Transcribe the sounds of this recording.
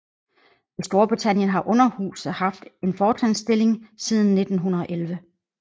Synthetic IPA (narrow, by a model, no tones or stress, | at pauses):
isd̥o̝ɐb̥ʁit͡sʰæn̰jənɦɑ̈ʔɔ̽nɐhṵːsð̩ˠhɑ̈fd̥e̝nfɒːt͡sʰænsd̥e̝le̝ŋsiːð̞ˠn̩ːe̝d̥n̩ɦunɐðˠɒ̽ʔelʋə